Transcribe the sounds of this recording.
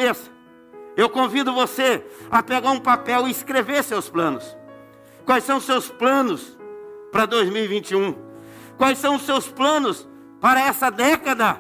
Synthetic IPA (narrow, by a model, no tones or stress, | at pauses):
esɐ̥ | ewkõvid̪ʊvoseɐpeɡaɾũpapɛwɪiskɾeveɾsewsplɐ̃nʊs | kwajsɐ̃w̃ʊsewsplɐ̃nʊspɾɐd̪ojzmiwivĩnt͡ʃiũ | kwajsɐ̃w̃ʊsewsplɐ̃nʊs | paɾɐɛsɐd̪ɛkɐd̪ɐ